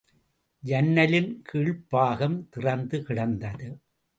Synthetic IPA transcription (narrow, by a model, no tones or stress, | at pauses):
d͡ʒɐnːɐlɪnkʰiːɭpaːɣɐmt̪ɪrɐnd̪ɯkɪɽɐnd̪ɐðɯ